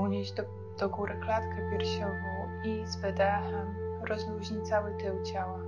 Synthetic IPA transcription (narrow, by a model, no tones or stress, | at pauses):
uɲeʑ | d̪̥ɔɡuɾɘklat̪kɛpʲjɛɾɕɔvɔw | izvɛd̪ɛɦɛmɾɔzmuʑɲit̪sawɘt̪ɘwt͡ɕawa